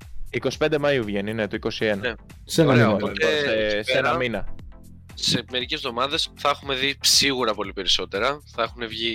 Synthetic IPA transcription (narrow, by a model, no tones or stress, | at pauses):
iko̞si̥pe̞nd̪e̞mɐiuvʝe̞nine̞t̪oiko̞sie̞nɐe | senɐmeɐoɐot̪oseseɐminɐ | se̞me̞ɾice̞zðo̞mɐðe̞sθɐexume̞ðisiɣuɾɐpo̞lipe̞ɾiso̞t̪e̞ɾɐθɐexune̞vʝi